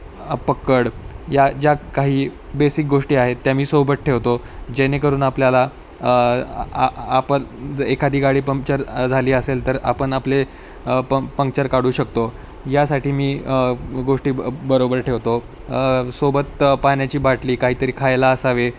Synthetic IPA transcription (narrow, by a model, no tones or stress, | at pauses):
pəkːəɽjad͡ʑjakaɦiː | besik̚ɡoʂʈiːaɦet̪ːjamiːsobəʈ̪̚ʈʰeʋt̪o | d͡ʑenekəɾuːnapljala | aapəd͡zekʰad̪iːɡaɽiːpəŋ̚t͡ɕəɾd͡zʱaliːəselt̪əɾa̰pəɳaple | pəpəŋkt͡ɕəɾkaɽ̤uːɕək̚t̪o | jasaʈiːmiːɡoʂʈiːbəɾobəɾʈʰeʋt̪o | sobət̪panjat͡ɕiːbaʈliːkaɦiːt̪əɾiːkʰajlaəsaʋe